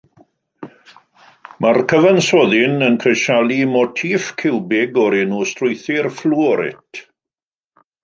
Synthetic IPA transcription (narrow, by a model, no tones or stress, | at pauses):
markʰəvansɔðɪnənkʰrəʃalˠimɔtʰiːfkʰɪlbɪɡɔɾenuːstrʊjθɪrfluːɔɾɪ̰tʰ